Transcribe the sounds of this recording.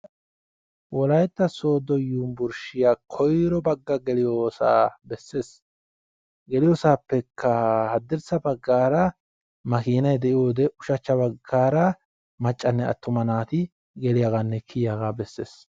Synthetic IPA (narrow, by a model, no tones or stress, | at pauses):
wɔlɐjt̪ːɐso̞ːd̪ɔjuːmbʊɾʃɪjaːkʰɔjɾɔbɐɡːɐɡɛlɪjoːsa̰ːbɛsːe̞ːs | ɡɛlɪjoːsaːpːɛkʰːɐhɐd̪ːɪɾsɐbɐɡːaːɾɐ | mɐkiːnɐjd̪ɛʔɪjoːd̪ɛʊʃɐt͡ʃːɐbɐɡːaːɾɐ | mɐt͡ʃʼːɐnːɛɐ̰t̪ːʊmɐnaːt̪ɪ | ɡɛlɪjaɡanːɛkʰɪjaɡaːbɛsːḛːs